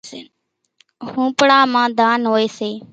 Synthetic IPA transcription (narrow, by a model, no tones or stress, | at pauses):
hũːpɽãːmãːd̪ʱaːnɦoːeːseː